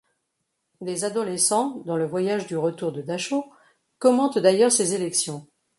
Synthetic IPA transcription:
d̪ezad̪ɔlɛsɑ̃d̪ɑ̃ləvwajaʒd̪yʁət̪uʁd̪əd̪aʃo | kɔmɑ̃t̪d̪ajœʁsezelɛksjɔ̃

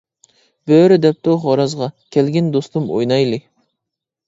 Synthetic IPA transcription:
b̥øːɾɪd̪ɛp̚t̪oχɑɾɑzʁɑkʲʰɛlɡʲɛnd̪ost̪umo̰jnɑjlˠɨ

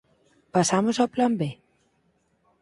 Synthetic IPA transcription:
pasamosaplambe

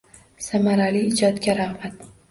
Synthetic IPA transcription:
samaɾaliɪd͡ʒɒt̪kʲaɾahbat̪

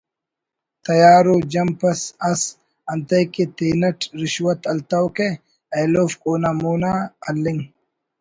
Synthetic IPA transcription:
t̪ɐjaːɾod͡ʒɐmpɐsɐs | ɐnt̪ɐjkit̪eːnɐʈɾɪʃwɐt̪ɐlt̪ɐwke | ɐjloːfkʼoːnɐmuːnaɐlːiŋ

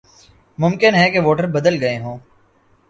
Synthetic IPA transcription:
mʊmkɪnɦɛkeʋoːʈəɾbɐd̪əlɡɐeɦõː

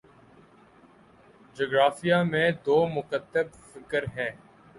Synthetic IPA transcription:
d͡ʒoːɡɾaːfijamẽːd̪oːmʊkət̪ːəb | fɪkəɾɦɛ̃ː

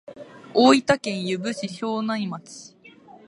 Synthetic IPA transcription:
oːit̪akẽ̞ɰ̃jɯbɯ̟ɕiɕoːnãimat͡sɨ̥

